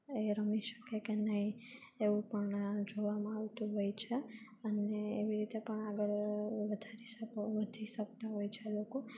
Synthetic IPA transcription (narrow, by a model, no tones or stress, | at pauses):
eɾəmiʃə̥kekenəɦi | eʋũpəɳd͡ʒoʋamãaʋt̪ũɦojt͡ʃʰe | əneːʋiɾit̪epəɳaɡəɭʋəd̪ʱaɾiʃəkoʋəd̪ʱiʃəkt̪aɦojt͡ʃʰeloko